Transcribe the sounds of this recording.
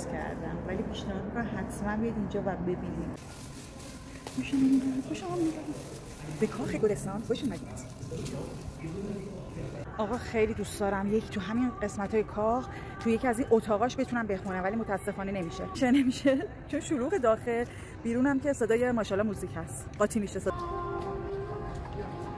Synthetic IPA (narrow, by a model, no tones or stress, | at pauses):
scʰæ̰ɾd̪æ̰mvælipʰiːʃnæɦɒːd̪mikamɦæt̪ʰmænbijid̪ind͡ʒɒːvæbe̞binid | oʃenimid̪æxoʃemɒmid̪ani | b̥ekʰɒːxeɡoɾesɒnd̪xoʃumæd̪id̪̥ | ɒːɣɒːxejlid̪usd̪ɒːɾæmjecʰi̥t̪ʰuɦæminɢe̞smæt̪ʰɒːjekʰɒx | t̪ʰuje̞cʰiæzinʔo̞t̪ʰɒːɣɒʃbe̞t̪ʰunæmbe̞xunæmvælimo̞t̪ʰææsːe̞fɒːne̞ne̞miʃeʃene̞miʃe | t͡ʃʰonʃuluːɣed̪ɒːxe̞l | b̥iːɾunæmcʰe̞se̞d̪ɒːje̞mɒːʃɒlɒmuziːcʰhæst̪ɢɒːt̪ʰimiʃese